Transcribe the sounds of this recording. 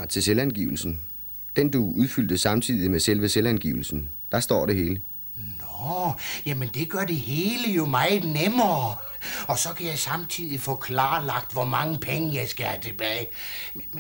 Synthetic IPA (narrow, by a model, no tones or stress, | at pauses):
t͡sʰe̝selænɡ̥ḭʊl̩sn̩ | d̥end̥uʔuðˠfyl̰d̥əsɑ̈mt͡sʰiðˠimeselʋəselænɡ̥iːʊl̩sn̩d̥ɑ̈sd̥ɒ̰ːɾ̥e̝ɦe̝ːlə | nɒjæmənd̥e̝ɡ̥ɶɐd̥e̝he̝ːləjo̝mɑ̈ɪð̩ˠnemɐ | ɒ̽sɒ̽kʰæjɑ̈ɪsɑ̈mt͡sʰið̞̰ˠifɔ̰̽ːkʰlɑ̈ːlɑ̈ɡ̥̚d̥ʋɒmɑ̈ŋəpʰeŋəjɑ̈ɪsɡ̥æhæt͡sʰe̝b̥ɛːɪ